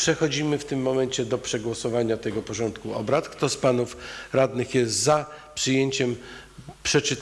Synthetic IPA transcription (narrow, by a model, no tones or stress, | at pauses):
pʂɛxɔd͡ʑimɘft̪ɘmːɔmɛɲt͡ɕɛd̪ɔpʂɛɡwɔsɔvaɲat̪ɛɡɔpɔʐɔnt̪kuɔ̰bɾat̪kt̪ɔspanufɾad̪nɘxjɛst̪zapʂɘjeɲt͡ɕɛmpʂɛt͡ʂɘ